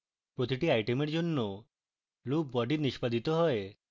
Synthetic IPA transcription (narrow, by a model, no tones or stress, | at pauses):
pɾot̪iʈiajʈemeɾd͡ʒonːo | luk̚bɔɖiɾniʃpad̪it̪ɔɦɔe